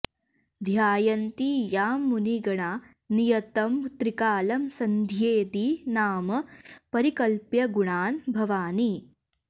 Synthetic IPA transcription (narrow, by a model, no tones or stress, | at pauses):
d̪ʱjaːjɐnt̪ijaːmːuniɡɐɳaː | nijɐt̪ɐmt̪ɾikaːlɐmsɐnd̪ʱjeːd̪inaːmɐpɐɾikɐlpjɐɡuɳaːnbʱɐʋaːni